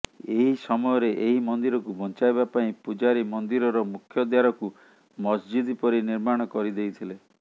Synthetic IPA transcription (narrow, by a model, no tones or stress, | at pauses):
eɦisɔmɔjɔɾeʔeɦimɔnd̪iɾɔkubʱɔnt͡ʃajβapaĩpud͡ʒaɾimɔnd̪iɾɔɾɔmukʰjɔd̪jaɾɔku | mɔsd͡ʒid̪ipɔɾiniɾmaɽ̃ɔkɔɾid̪ejt̪ʰile